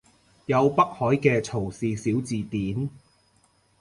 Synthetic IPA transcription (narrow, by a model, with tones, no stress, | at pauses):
jɐ˨˧wpɐ˥k̚hɔː˨˥jkɛː˧t͡sʰo˨˩wsiː˨siː˨˥wt͡siː˨˧t̪iː˨˥n